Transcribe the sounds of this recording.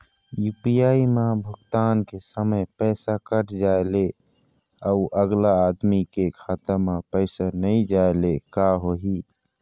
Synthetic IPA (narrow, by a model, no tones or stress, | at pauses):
jupijaimabʱəɡt̪ankesəməjpɛɪsakəʈd͡ʒaele | auʔəɡlaːd̪mikekʰat̪əɾmapəɪsanəid͡ʒaelekaɦoɦi